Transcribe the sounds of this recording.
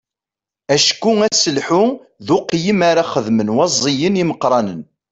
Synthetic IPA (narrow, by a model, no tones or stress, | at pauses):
æʃkːʊæsəlħʊ | ðʊqjimaɾaχəðmənwɑzˤːijəniməqɾˤɑnən